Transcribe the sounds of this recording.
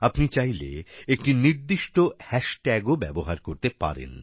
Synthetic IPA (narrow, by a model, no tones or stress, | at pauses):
apnit͡ɕajlḛek̚ʈiniɾd̪iʃʈohɛʃʈɛɡobɛboɦaɾkoɾt̪epa̰ɾḛn